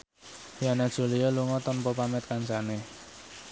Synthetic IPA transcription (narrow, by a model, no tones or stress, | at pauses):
janad̥ʒ̥ṳlialuŋɔt̪ɔnpɔpamɛt̪̚kansane